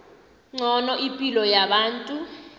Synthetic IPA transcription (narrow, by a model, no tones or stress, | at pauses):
ŋ͡ǀɔnɔʔipʼilɔjaɓaːntʼu